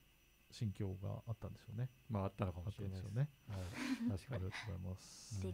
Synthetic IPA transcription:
ɕĩŋkʲo̞ːɡa̰ʔat̪ːãnd̪e̞ɕo̞ːne̞maat̪ːanokamat̪ːãnd̪eʃo̞ːnehaiḁkaɾiɡat̪oɡozaimas

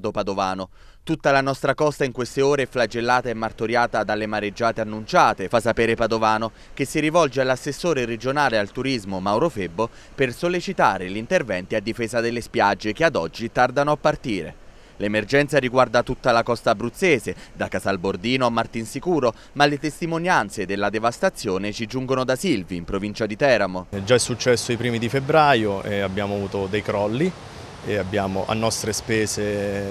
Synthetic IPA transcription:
d̪opad̪ovaːno | t̪ut̪ːalanɔst̪ɾakɔst̪aiŋkwest̪eoːɾeɛflad͡ʒelːaːt̪aemːart̪oɾjaːt̪ad̪alːemaɾed͡ʒːaːt̪eanːunt͡ʃaːt̪efasːapeːɾepad̪ovaːno | kesːiɾivɔld͡ʒealːasːesːoːɾeɾed͡ʒonaːlealt̪uɾizmomawɾofebːo | persolːit͡ʃit̪aːɾelʎint̪ervɛnt̪iad̪ːifeːzad̪elːespjad͡ʒːekead̪ɔd͡ʒːit̪ard̪anoapːart̪iːɾḛ | lemerd͡ʒɛnt̪saɾiɡward̪at̪ut̪ːalakɔst̪abɾut̪sːeːzed̪akːasalbord̪iːnoamːart̪insikuːɾo | malet̪est̪imonjant̪sed̪elːad̪evast̪at̪sːjoːnet͡ʃid͡ʒuŋɡonod̪asilviːmpɾovint͡ʃad̪it̪ɛːɾamod͡ʒaɛsːut͡ʃːɛsːoipɾiːmid̪ifebɾaːjoɛabːjaːmoavuːt̪od̪ejkɾɔlːi | eabːjaːmoʔa̰nːɔst̪ɾespɛːze

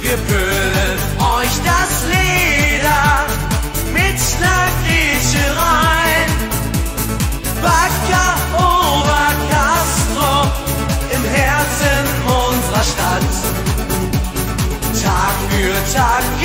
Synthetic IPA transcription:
ɡəfø | lətʔɔʏçd̥asleːdɐ | mɪtʃnakʁiçəʁaɪn | vakɐ | ʔoːbɐkʰastʁo | ʔɪmhɛɐt͡sən | ʔʊnzəʁɐʃtat | tʰaːkfyːɐtʰaːkɡ

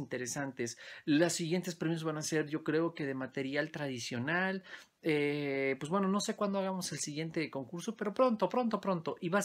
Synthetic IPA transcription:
int̪e̞ɾesant̪e̞slosːiɣje̞nt̪e̞spɾemjozβanase̞ɾʝo̞kɾe̞o̞ke̞ðemat̪e̞ɾjalt̪ɾaðisjo̞nal | epwezβwe̞no̞no̞se̞kwand̪oaɣamo̞se̞lsiɣje̞nt̪e̞ko̞ŋkuɾsope̞ɾo̞pɾo̞nt̪o̞pɾo̞nt̪o̞pɾo̞nt̪o̞ʔiβa

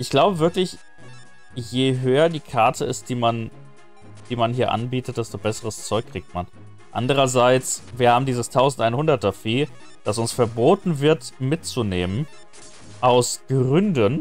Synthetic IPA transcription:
ʔɪçɡ̥laʊbəvɪɐklɪç | jeːɦøːɐdiːkʰaɐtʰəɪst̚d̥iːman | d̥iːmanhiːɐʔa̰nbiːtət̚d̥ɛstobɛsəʁəst͡sɔʏkʰːʁ̥iːk̚tman | ʔa̰ndəʁ̞ɐzaɪt͡sviːɐhaːbm̩diːzəstʰaʊzn̩tʔaɪnhʊndɐt̚d̥afiː | d̥asʊnsfɛɐboːtn̩vɪɐtmɪtt͡suneːmən | ʔaʊsɡ̥ʁʏndən

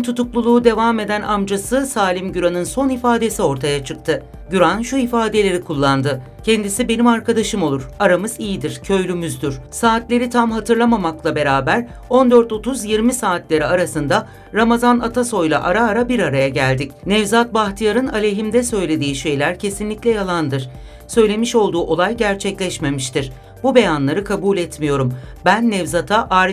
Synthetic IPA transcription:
nt̪ʰut̪uklˠulˠuːd̪e̞vame̞d̪ænamd͡ʒasɯsaːlʲimɟyɾanɯnso̞nifaːd̪e̞sio̞ɾt̪ʰajat͡ʃʰɯk̚t̪ʰɯ | ɟyɾanʃuifaːd̪e̞lʲe̞ɾikʰulˠːand̪ɯ | cʰɛnd̪isibe̞nimaɾkad̪aʃɯmo̞lˠuɾ̥aɾamɯzijid̪iɾ̥cʰø̞jlʲymyzd̪yɾ̥saːt̪lʲe̞ɾit̪ʰamhat̪ʰɯɾlˠamamaklˠabe̞ɾaːbæɾ | o̞nd̪ø̞ɾt̪o̞t̪ʰuzjiɾmisaːt̪lʲe̞ɾiaɾasɯnd̪a | ɾamazanat̪ʰaso̞jlˠa̰ʔaɾaːɾabiɾaɾajaɟælʲd̪icnɛvzat̪̚baxt̪ʰijaɾɯnalʲe̞ɦimd̪ɛsø̞jlʲe̞d̪iːʃe̞jlʲæɾcʰe̞sinlʲicʲlʲɛjalˠand̪ɯɾ̥ | sø̞jlʲe̞miʃo̞lˠd̪uːʔo̞lˠajɟæɾt͡ʃʰɛclʲɛʃme̞miʃt̪iɾ | b̥ube̞janlˠaɾɯkʰabuːlʲɛt̪mijo̞ɾumbænːɛvzat̪ʰaʔaːɾ

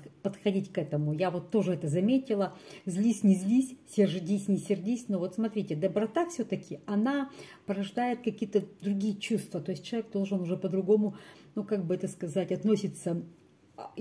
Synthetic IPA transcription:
pət̪xɐdʲitʲkɛt̪əmʊjavo̞t̪ːo̞ʐɨɛt̪əzɐmʲetʲɪlˠəzʲlʲisʲnʲɪzʲlʲisʲsʲɪrʐɨdʲisʲnʲɪsʲɪrdʲisʲnovo̞t̪smɐt̪ɾʲitʲɪd̪əbɾɐt̪affsʲot̪əkʲɪɐnapəɾɐʐd̪ajɪt̪̚kɐkʲijət̪əd̪ɾʊɡʲijət͡ɕust̪vət̪o̞ɪsʲt̚ʲt͡ɕɪlˠɐvʲeɡ̚d̪o̞lˠʐɨnʊʐɛpəd̪ɾʊɡo̞mʊnukaɡ̚bɨɛt̪əskɐzatʲɐt̪nosʲɪt̪sə

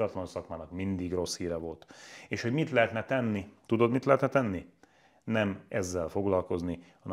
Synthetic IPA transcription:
ɒt̪lɒnsɒkmaːnɒkmind̪iɡro̞shiːɾɛvo̞lt̪eːʃho̞ɟmit̪lɛɦɛt̪nɛt̪ɛnːit̪ud̪o̞d̪mit̪lɛɦɛt̪nɛt̪ɛnːi | nɛmɛzːɛlfo̞ɡlɒlko̞znihɒnɛ

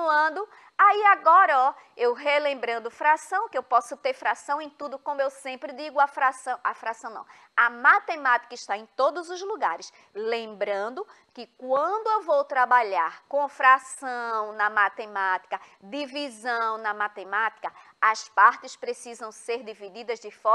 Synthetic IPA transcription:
ɐ̃d̪ʊ | aiaɡɔɾɐɔ | ewɦelẽmbɾɐ̃nd̪ʊfɾasɐ̃w̃kɪewpɔsʊt̪eɾfɾasɐ̃w̃ẽj̃t̪ud̪ʊkõmʊewsẽmpɾɪd̪iɡʊɐfɾasɐ̃w̃ʔafɾasɐ̃w̃nɐ̰̃w̃ | ɐmat̪emat̪i̥kɐɪʃt̪aẽj̃t̪od̪ʊzʊzluɡa̰ɾɪs | lẽmbɾɐ̃nd̪ʊ | kɪkwɐ̃d̪ʊewvowt̪ɾabaʎaɾkõfɾasɐ̃w̃nɐmat̪emat̪i̥kɐd̪ivizɐ̃w̃nɐmat̪emat̪i̥kɐ | ɐspaɾt̪ɪspɾesizɐ̃w̃seɾd̪ivid̪id̪ɐzd̪ɪfɔ

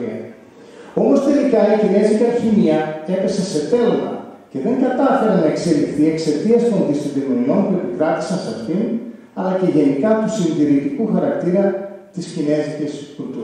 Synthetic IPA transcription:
iɐ | o̞mo̞st̪e̞likɐicine̞zicɐçiniɐe̞pe̞sese̞t̪e̞lmɐ̰ce̞ðe̞ŋɡɐt̪ɐfe̞ɾenɐe̞kse̞lifθie̞kse̞t̪iɐst̪o̞nðist̪ot̪iɣonio̞npue̞pikɾɐt̪i̥sɐnsɐfin | ɐlɐce̞ʝe̞nikɐt̪usinðiɾit̪ikuxɐɾɐkt̪iɾɐt̪iscine̞ziceskult̪u

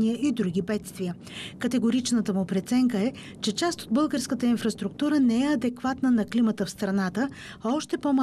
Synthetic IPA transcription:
niəʔid̪ɾuɡ̟ibɛt̪st̪vijə | kət̪ɛɡoɾit͡ʃnət̪əmʊpɾɛt̪sɛŋkəɛ | t͡ʃɛt͡ʃast̪od̪bɤlˠɡəɾskət̪əinfɾɐst̪ɾuk̚t̪uɾənɛɛɐd̪ɛkvat̪nənɐklimət̪əfst̪ɾɐnat̪ə | ɔʃt̪ɛpoma

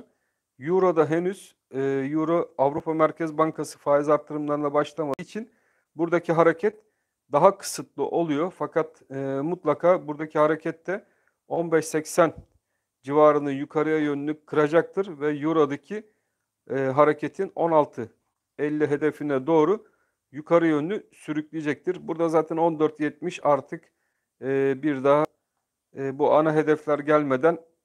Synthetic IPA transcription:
juɾod̪aɦenyz̥ | juɾoavɾupʰamæɾcʰɛzbaŋkʰasɯ̥faːizaɾt̪ʰːɯɾɯmlˠaɾɯnˠabaʃlˠamait͡ʃʰin | buɾd̪acʰiɦaɾecʰɛt̪ | d̪aɦakʰɯ̥sɯt̪lˠɯ̰ʔo̞lˠujo̞fakʰat̪ː | mut̪lˠakʰaːbuɾd̪acʰihaɾecʰɛt̪ːɛ | o̞nbɛʃsɛcsæn | d͡ʒivaːɾɯnɯjukʰaɾɯjajønynʲykʰɯɾad͡ʒak̚t̪ʰɯɾvɛjuɾad̪acʰiː | ɦaɾecʰet̪ʰino̞nalˠt̪ʰɯ | ɛlʲːiɦe̞d̪efinɛd̪o̞ːɾu | jukʰaɾɯjønylʲysyɾyclʲijed͡ʒɛc̚t̪ʰiɾbuɾd̪azaːt̪ʰɛno̞nd̪øɾt̪jɛt̪̚miʃaɾt̪ʰɯkː | biɾd̪aɦa | buʔanaɦe̞d̪ɛflʲæɾɟælʲme̞d̪æn

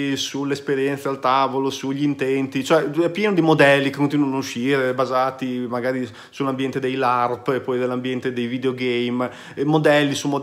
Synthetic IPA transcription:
sulːespeɾjɛnt̪sealt̪aːvolosuʎːiint̪ɛnt̪it͡ʃoɛɛpjɛːnod̪imod̪ɛlːikekːont̪inwanouʃiːɾebazaːt̪imaɡaːɾi | sulːambjɛnt̪ed̪ejlarp̪epːɔjd̪elːambjɛnt̪ed̪ejvid̪eoɡɛjm | mod̪ɛlːisumo

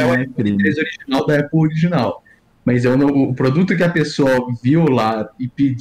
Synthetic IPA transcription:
ɛ̃kɾĩmezoɾiʒinawd̪ɐɛpowoɾiʒinaw | mɐzɛwnɐ̃ʊːpɾod̪ut̪ʊk̬ɪɐpesoɐvilaɪpid͡ʒ

